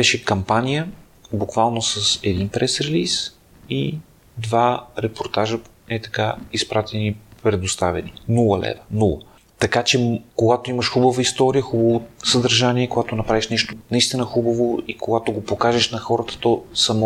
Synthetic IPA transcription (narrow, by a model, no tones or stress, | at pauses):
bɛʃɛkɐmpanijə | bukvalˠnosəsɛd̪inpɾɛsɾɛlis | i | d̪vaɾɛpoɾt̪aʒə | ɛt̪ɐ̥kaispɾat̪ɛnipɾɛd̪ost̪avɛ̰ninulˠəlɛ̰vənulˠə | t̪ɐkat͡ʃɛkoɡat̪oiməʃxubəvəist̪ɔɾijəxubɐvosəd̪ɐɾʒaniɛkoɡat̪onɐpɾaviʃnɛʃt̪onɐist̪inəxubəvoikoɡat̪oɡopokaʒɛʃnɐxɔɾət̪ə̥t̪ɔsɐmɔ